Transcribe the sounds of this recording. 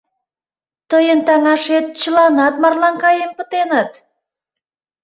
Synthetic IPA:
t̪əjənt̪ɑŋɑʃet̪̚t͡ɕəlɑnɑt̪̚mɑrlɑŋkɑjempə̆t̪enət̪

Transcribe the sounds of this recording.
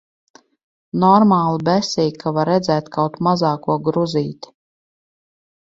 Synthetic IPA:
nɔɾmaːlˠɨbɛsijkʰavaɾɛd̪zɛːt̪kawt̪mazaːkuɔɡɾuziːt̪ʲi̥

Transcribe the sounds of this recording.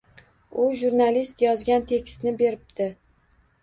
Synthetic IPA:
ʊʒuɾnalist̪jɒzɡʲant̪ʰe̞kʲst̪nɪbe̞ɾɪp̚d̪ɪ

